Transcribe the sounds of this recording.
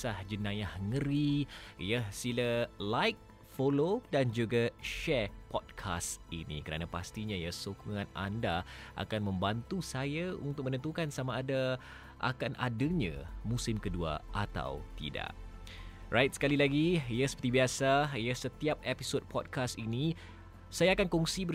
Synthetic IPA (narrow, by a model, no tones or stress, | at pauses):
sahd͡ʒənãjahŋəɾiḭjəhsiləlajk̚ | folodand͡ʒuɡaʃɛrpɔd̚kʰa̰st̪ḭnḭkəɾa̰napast̪iɲãjəhsokuŋãna̰ndaʔa̰kanmə̃mbant̪usajaṵnt̪ʊk̚mənənt̪ukansamaːda | ʔa̰kanʔa̰dəɲã̰musɪmkədua̰ʔa̰t̪a̰wt̪ḭda̰ʔ | rajt̪̚sə̥kalilaɡiijahsə̥pət̪ibiasaijəhsət̪iap̚episod̚pʰɔd̚kʰasini | sajaːkankɔŋsibə